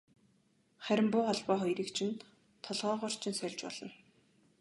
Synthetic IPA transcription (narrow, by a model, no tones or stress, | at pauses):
χæɾʲɪ̆mpʊːχɔɮpɔːχɔjɾiːkt͡ɕʰɪ̆nt̪ | t̪ʰːɔɮʁɔːʁɔːr̥t͡ɕʰɪ̆nsœɮʲt͡ɕpɔ̰ɮ̥ɞ̆n